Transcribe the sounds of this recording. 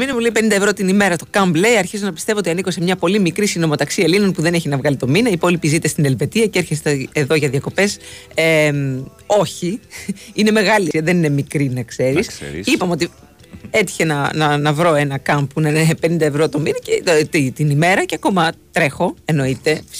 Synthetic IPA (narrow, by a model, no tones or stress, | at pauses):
minemuleipe̞nind̪ɐevɾo̞t̪inime̞ɾɐt̪o̞kɐmble̞iɐɾçizo̞nɐpi̥st̪e̞voot̪iɐniko̞se̞mɲɐpo̞limikɾisino̞mo̞t̪ɐksielino̞npuðe̞ne̞çinɐvɣɐlit̪o̞minɐipolipizit̪est̪ine̞lve̞t̪iɐcee̞ɾçest̪eːðo̞ʝɐðiɐko̞pe̞s | em | o̞çiine̞me̞ɣɐliiɐðenine̞mikɾinɐkse̞ɾisipɐmeo̞t̪i | e̞t̪i̥çe̞nɐnɐnɐvɾo̞e̞nɐkɐmbpunɐnepe̞nind̪ɐevɾo̞t̪o̞minɐcet̪it̪inime̞ɾɐceɐko̞mɐt̪ɾe̞xo̞e̞no̞it̪e̞